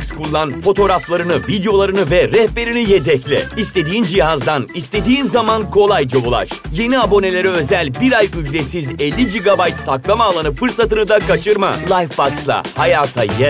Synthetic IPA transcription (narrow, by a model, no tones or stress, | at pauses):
skʰulˠːanfo̞t̪ʰo̞ɾaflˠaɾɯnɯvid̪eo̞lˠaɾɯnɯvɛɾɛhpe̞ɾinijet̪ʰɛclʲɛ̰ist̪ʰe̞d̪iːnd͡ʒiɦazd̪anist̪ʰe̞d̪iːnzamankʰo̞lˠajd͡ʒaolˠa̰ʃje̞niabo̞ne̞lʲe̞ɾɛø̞zælʲbiɾajyd͡ʒɾesizɛlʲːid͡ʒiɡabajt̪saklˠamaːlˠanɯfɯɾsat̪ɯnɯd̪akat͡ʃʰɯɾma̰lˠajfːakslˠa̰hajaːt̪ʰa̰jɛ